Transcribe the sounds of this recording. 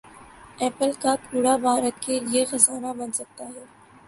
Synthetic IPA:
ɛːpəlkaːkuːɽabaːɾət̪kʰeːlɪexɐzaːnabɐnsɐk̚t̪aɦɛː

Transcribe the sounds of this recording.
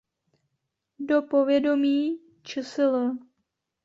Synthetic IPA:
dopo̞vjɛdo̞miː | t͡ʃɛsɪlə

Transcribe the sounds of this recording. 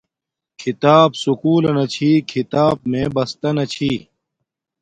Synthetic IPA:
kʰit̪aːbsukuːlɐnɐt͡ɕʰiːkʰit̪aːb̚mẽbɐst̪ɐnɐt͡ɕʰiː

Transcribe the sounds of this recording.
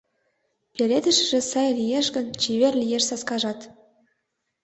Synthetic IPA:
pʲeɾʲed̪ə̆ʃ̆ʒĕsɑjlʲijeʃɡə̆nt͡ɕiβerlʲijeʃsɑskɑʒɑt̪

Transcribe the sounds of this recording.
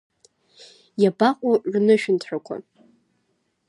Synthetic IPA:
jabaqʷʼaʔʕnɨʃᶣɪntʰħakʷʰa̰

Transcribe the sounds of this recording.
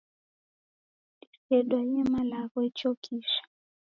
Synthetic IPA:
isɛɗwaiɛmalaɣɔɛt͡ʃɔkʰiʃḁ

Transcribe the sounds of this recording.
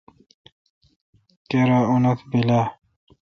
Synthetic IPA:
keɾaunɐt̪ʰbila

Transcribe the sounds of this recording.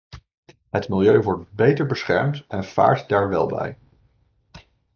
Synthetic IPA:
ɦətmɪlˠjøɥʋɔɹt̚bejtəɹbəsχɛ̰ɹmtɛnv̥a̰ːɹtdaːɹʋɛ̰lˠbɛ̰j

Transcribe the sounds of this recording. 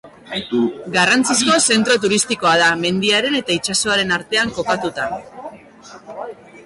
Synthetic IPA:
ɡarant͡sisko̞se̞nt̪ɾo̞t̪̬uɾist̪iko̞að̞ame̞nd̪iaɾe̞ne̞t̪ait͡ʃasoaɾe̞naɾt̪e̞aŋko̞kat̪ut̪a

